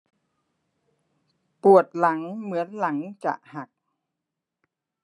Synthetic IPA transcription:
pu˨˩ət̪̚la˩˦ŋmɯ˩˦ənla˩˦ŋt͡ɕa̰˨˩ʔha˨˩k̚

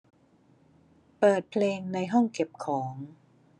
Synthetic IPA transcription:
pɤː˨˩t̪̚pʰleː˧ŋna˧jɦɔ˥˩ŋke˨˩p̚kʰɔː˩˦ŋ

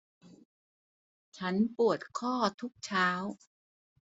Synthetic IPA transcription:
t͡ɕʰa˦˥npu˨˩ət̪̚kʰɔː˥˩t̪ʰu˦˥k̚t͡ɕʰaː˦˥w

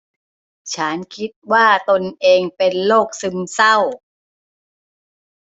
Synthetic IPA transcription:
t͡ɕʰa˦˥nkʰi˦˥t̪̚waː˥˩t̪o˧nʔeː˧ŋpe˧nloː˥˩k̚sɯ˧msa˥˩w

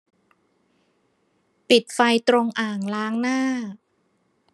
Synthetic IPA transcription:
pi˨˩t̪̚fa˧jt̪ɾo˧ŋʔaː˨˩ŋlaː˦˥ŋnaː˥˩

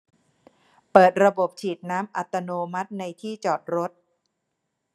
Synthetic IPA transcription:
pɤː˨˩t̪̚ɾa˧bo˨˩p̚t͡ɕʰiː˨˩t̪̚naː˦˥mʔa˨˩t̪ːa˧noː˧ma˦˥t̪̚na˧jt̪ʰiː˥˩t͡ɕɔː˨˩t̪̚ɾo˦˥t̪̚

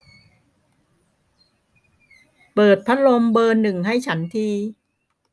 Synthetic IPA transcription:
pɤː˨˩t̪̚pʰa˦˥lo˧mbɤː˧nːɯ˨˩ŋha˥˩jt͡ɕʰa˦˥nt̪ʰiː˧

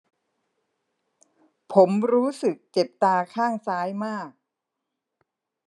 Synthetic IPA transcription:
pʰo˩˦mɾuː˦˥sɯ˨˩k̚t͡ɕe˨˩p̚t̪aː˧kʰaː˥˩ŋsaː˦˥jmaː˥˩k̚

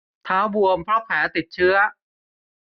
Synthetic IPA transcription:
t̪ʰaː˦˥wbu˧əmpʰɾɔ˦˥pʰɛː˩˦t̪i˨˩t̪̚t͡ɕʰɯ˦˥ɐ

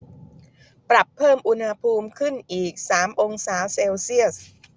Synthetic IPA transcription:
pɾa˨˩pʰːɤː˥˩mʔu˧nha˧pʰuː˧mkʰɯ˥˩nʔiː˨˩k̚saː˩˦mʔo˧ŋsaː˩˦wseː˧wsi˥˩əs

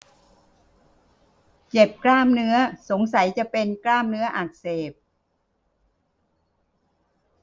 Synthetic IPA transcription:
t͡ɕe˨˩p̚klaː˥˩mnɯ˦˥ɐso˩˦ŋsa˩˦jt͡ɕa˨˩pe˧nklaː˥˩mnɯ˦˥ɐʔaː˨˩k̚seː˨˩p̚

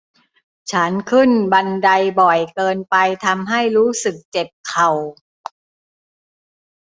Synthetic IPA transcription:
t͡ɕʰa˦˥nkʰɯ˥˩nba˧nda˧jbɔ˨˩jkɤː˧npa˧jt̪ʰa˧mɦa˥˩jɾuː˦˥sɯ˨˩k̚t͡ɕe˨˩p̚kʰa˨˩w

